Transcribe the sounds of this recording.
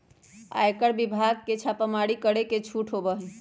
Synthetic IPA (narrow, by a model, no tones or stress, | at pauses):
a̰ekəɾbibʱaɡ̚ket͡ʃʰapəmaɽikəɽeket͡ʃʰuʈʰɦobəɦ